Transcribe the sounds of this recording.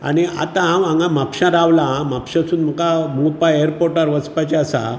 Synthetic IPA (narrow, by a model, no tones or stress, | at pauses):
a̰ɽ̃ia̰t̪ãʋãŋɡãmapɕãɾaʋlãmapɕãsuːnm̤əkamupaeɾpoɾʈaɾʋət͡spat͡ɕaasa̰